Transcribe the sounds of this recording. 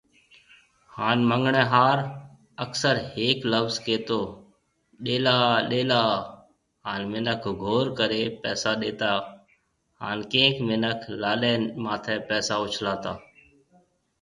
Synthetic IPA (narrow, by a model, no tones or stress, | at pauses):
haːnməŋɡɳɛ̃ːɦaːɾ | əksəɾheːkləʋzkeːt̪oː | ɗeːlaːɗeːlaː | ɦaːnmɪnəkʰɡʱoːɾkəɾeːpɛːsaːɗeːt̪aː | haːnkẽːkmɪnəkʰlaːɗẽːnmãːt̪ʰɛːpɛːsaːʊt͡ʃʰlaːt̪aː